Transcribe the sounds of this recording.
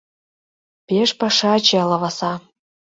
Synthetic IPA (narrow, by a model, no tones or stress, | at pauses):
peʃpɑʃɑt͡ɕelɑvɑsɑ